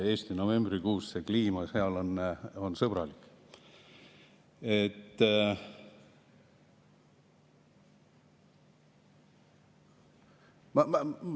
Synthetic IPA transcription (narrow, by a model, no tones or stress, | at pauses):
e̞ːst̪ino̞ve̞mbrikuːsse̞kliːmɑseɑlo̞no̞nsɤb̥rɑ̰likːˑ | et̪ː | mɑm